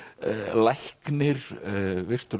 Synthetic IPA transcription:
lajhknɪɾvɪr̥t̪ʏɾ

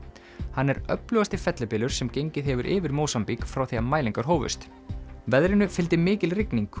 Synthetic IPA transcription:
hanːɛɾœ̰plʏːɣast̪ɪfɛt̪lapɪːlʏɾ̥sɛmcejɲcɪðɦɛvʏɾʔɪːvɪɾmoːwsampikfɾawθiamaːjliŋkaɾ̥ɦoːwvʏ̰st̪ | vɛðɾɪnʏfɪlt̪ɪmɪːcɪlrɪkniŋk

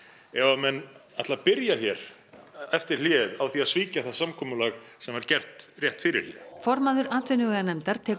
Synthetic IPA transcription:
ɛvamɛnat̪laapɪɾjaçɛɾ | ɛft̪ɪɾ̥l̥ɛːðawθiaðsviːcaθaðsamkʰɔːmʏlaɣsɛmvaɾcɛr̥t̪rjɛht̪fɪːɾɪ̰lɪ̰fɔɾmaðʏɾaːt̪vɪnːʏɣɛɣanɛmt̪aɾ̥t̪ʰɛːk

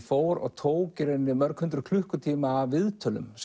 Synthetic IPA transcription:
foːwɾɔ̰ɣt̪ʰoːwcɪɾɛnːɪmœɾkhʏnt̪ɾʏkʰl̥ʏhkʏt̪ʰiːmaːvɪðt̪ʰœːlʏ̰ms

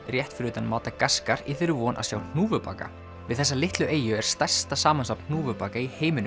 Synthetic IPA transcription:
rjɛht̪fɾʏːt̪anmaːwt̪akaskaɾiθɪɾʏvunʔa̰ðsjaːwn̥uːvʏpa̰ːka̰ | vɪ̰ðθɛsːalɪht̪lʏʔeːjʏɛɾ̥st̪ar̥st̪asaːmansawpn̥n̥uːvʏpaːkaiheːjmɪnʏ

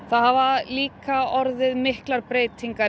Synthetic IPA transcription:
θaðhavaliːkaɔɾðɪðmɪhklaɾpɾeːjt̪ʰiŋka

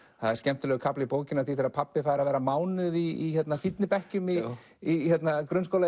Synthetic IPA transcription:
θaðɛɾ̥scɛm̥t̪ʏlɛːɣʏkʰaplɪipoːwcɪnaθiθeɾapʰapːɪfaːðɾaðvɛːɾamaːwnɪðiːçɛt̪nafit̪nɪpɛhcʏmi | içjɛt̪nakɾʏnskowla

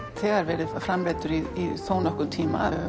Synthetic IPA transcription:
t̪ʰɛaɾvɛɾɪfɾamɾɛːt̪ʏɾiisoːwnɔhkʊt̪ʰiːma̰

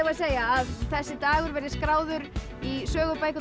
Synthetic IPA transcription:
vaðseːjaːðθɛsːɪt̪aːɣʏɾvɛɾðɪskɾaːwðʏɾ | isœːɣʏpaːjkʏ

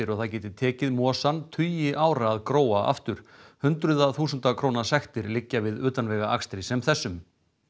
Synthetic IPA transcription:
ɪɾɔɣθaðcɛːt̪ɪt̪ʰɛːcɪðmɔːsant̪ʰʏjɪʔaːwɾaːðkɾoːwaa̰ft̪ʏɾ̥hʏnt̪ɾʏðaθuːsʏnt̪akʰɾoːwnasɛxt̪ɪɾlɪcːavɪðʏːt̪anvɛːɣaʔa̰kst̪ɾɪsɛmθɛsːʏm

